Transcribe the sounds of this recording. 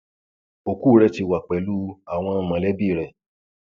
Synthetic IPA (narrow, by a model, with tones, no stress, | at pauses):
o˨kuː˦ɾɛ˧ti˧wa˨k͡pɛ˨lu˦a˨w̃ɔ̃˧˦mã˨˧lɛ˦bi˦˨ɾɛ˨